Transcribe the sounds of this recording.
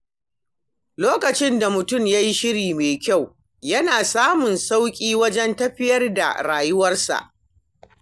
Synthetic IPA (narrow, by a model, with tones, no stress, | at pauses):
loː˦kɐ˨t͡ʃɪ˦nda˨mʊ˨tʊ˦˨mja˦ji˦ʃɪ˦ɽiː˨meː˨kʲa˦˨w | jɐ˦naː˨saː˦mʊ˨nsa˦wkʲʼiː˦wɐ˦d͡ʒɛ˦ntɐ˦ɸɪ˦jɐ˦rda̰˨ɽaː˨jʊ˦wɐ˦rsa̰˨ʔ